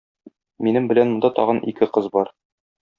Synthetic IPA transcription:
minɘmbɘ̆lænmŏnd̪ɑt̪ɒ̰ʁɤnikɘqɤzbɒɾ

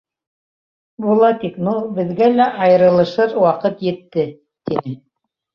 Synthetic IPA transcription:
bulˠɑt̪iknubɘ̆ðɡælæʔɑjɤ̆ɾɤ̆lˠɤ̆ʃɤɾwɑqɤt̪jɘ̆t̪ːɘ | t̪inɘ

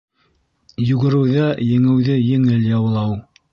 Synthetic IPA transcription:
jʉɡɘ̆ɾɘ̆wðæjɘ̆ŋɘ̆wðɘjɘ̆ŋɘljɑwlˠɑw

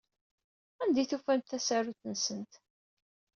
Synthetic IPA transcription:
ænd̪iθufænθæsæɾuθənsənt̪

